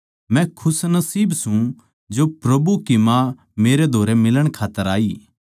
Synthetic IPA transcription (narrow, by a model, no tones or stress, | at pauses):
mɛ̃kʰʊsnɐsiːbsũ | d͡ʒopɾɐbukimã | meːɾed̪ʱoːɾemɪləɽ̃kʰaːt̪ːəɾaːiː